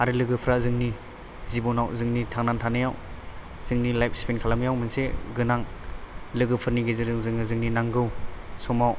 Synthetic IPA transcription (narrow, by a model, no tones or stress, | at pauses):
aɾɯlɯɡɯpʰɾazɯŋni | zibɔnawzɯŋnitʰaŋnantʰanɯjaw | z̥ɯŋnilajp̚ʰspʰinkʰalamjawmɯnseɡɯnaŋ | lɯɡɯpʰɯɾniɡezɯɾɯŋzɯŋɯzɯŋninaŋɡɯwsɔmaw